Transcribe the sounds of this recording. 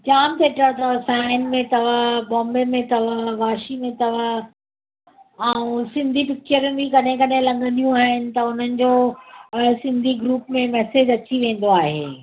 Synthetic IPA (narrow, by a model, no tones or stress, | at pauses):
d͡ʑaːmt̪eːʈət̪ɐʋsaːɪnmẽt̪ɐʋəbɔ̃ːmbemẽt̪ɐʋəʋaːʃimẽt̪ɐʋ̤ə | ɛũsɪ̃nd̪ʱipɪk̚t͡ɕəɾmẽbʱikɐɗ̤ẽkɐɗɦẽlɐ̃ŋɡʱə̃nd̪ijũaːɦɪnɪ̆t̪ɐʊn̤ənɪ̆d͡ʑoː | sɪ̃nd̪ʱiɡɾuːpmẽmɛːseːd͡ʑɐt͡ɕiʋẽːn̆d̪oaːɦḛː